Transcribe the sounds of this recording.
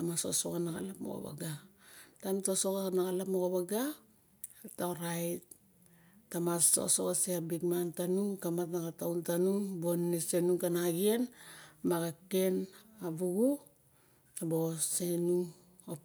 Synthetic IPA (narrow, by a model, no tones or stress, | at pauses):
amaso̞̰sokanaka̰lapmoko̰ba̰ɡatantosokanakalapmoɡoβaɡa | taoɾajt | tamaso̰sokaseabikmantanuŋkamatnaɡatawntanuŋbonːese̞nuŋkanaɡienmaɡake̞nabuɡu | abo̞se̞nuŋ | o